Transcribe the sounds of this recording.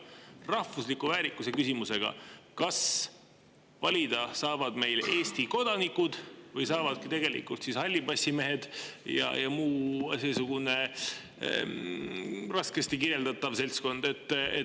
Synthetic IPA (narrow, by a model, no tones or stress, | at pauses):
rɑhvuslikːˑuvæːɾikːˑuse̞kysimuse̞ɡ̥ɑ̰kɑs | vɑlʲid̪̥ɑsɑːvɑd̪̥me̞jle̞ːst̪iko̞d̪̥ɑnikːud̪̥vɤjsɑːvɑd̪̥̚kit̪e̞ɡe̞lḭkult̪sishɑlʲːibɑsʲime̞ɦe̞d̪̥jɑ̰jɑmuːseːsuɡ̥une̞ | rɑskest̪ikiɾe̞ld̪ɑt̪ːˑɑvse̞lʲsko̞nd̪̥e̞t̪ːḛ